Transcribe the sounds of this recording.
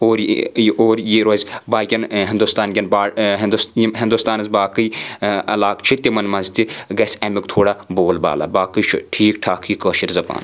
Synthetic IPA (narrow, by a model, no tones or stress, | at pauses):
oːɾoːɾjiɾoːzʲbaːɡʲɐnɦɪnd̪ust̪aːnɡʲɐnbaːɦnd̪usjɦɪnd̪ust̪aːnɐzbaːkɨiɐlaːkt͡ʃʰit̪imɐnmɐnzt̪iɡɐsʲɐmikt̪ʰoːɽaːboːlba̰ːla̰baːkət͡ʃʰṵʈʰiːkʈʰaːkʰiːkəːʃiɾzɐba̰ːn